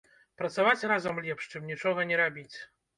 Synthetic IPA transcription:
pɾɐt̪savat͡sʲrazɐmlʲɛpʂt͡ʂɨmnʲit͡ʂɔɣɐnʲɛɾabʲit͡sʲ

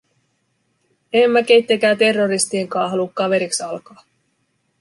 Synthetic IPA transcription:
emːæk̟e̞jt̪ːek̟æːt̪e̞rːo̞ɾist̪ie̞ŋkɑːɦɑlukːɑʋe̞ɾiksɑlkɑː

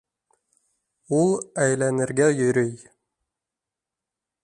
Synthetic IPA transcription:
ulˠæjlænɘ̆ɾɡæjɵ̆ɾɵj

